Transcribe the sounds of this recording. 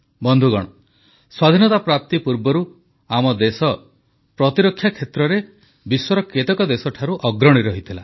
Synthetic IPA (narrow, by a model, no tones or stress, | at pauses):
bɔnd̪ʱuɡɔ̰ɽ̃ɔ | swad̪ʱinɔt̪apɾap̚t̪ipuɾbɔɾu | amɔd̪esɔ | pɾɔt̪iɾɔkʰːjakʰːet̪ɾɔɾe | biswɔɾɔket̪ɔkɔd̪esɔʈʰaɾuʔɔɡɾɔɽ̃iɾɔɦit̪ʰila